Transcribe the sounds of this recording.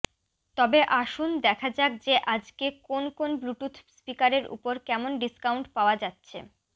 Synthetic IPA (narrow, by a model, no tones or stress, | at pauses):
t̪ɔbeʔaʃund̪ɛkʰad͡ʑak̚d͡ʑeʔad͡ʑkekonkonbluʈut̪ʰspikaɾeɾʔṵpoɾkɛmonɖiskawɳʈpaoad͡ʑatːɕʰḛ